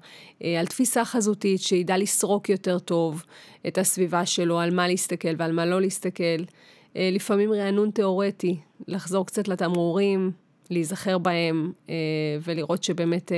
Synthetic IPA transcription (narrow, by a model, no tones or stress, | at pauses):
altfisaχazutitʃeidalisʁo̞kjo̞te̞ʁto̞vʔetasvivaʃe̞lo̞almaleistake̞lvealmalo̞leistake̞l | lifamimʁeanunte̞o̞ʁetilaχzo̞ʁkt͡satlatamuʁim | leizaχe̞ʁbae̞m | ve̞liʁo̞tʃebe̞ːme̞t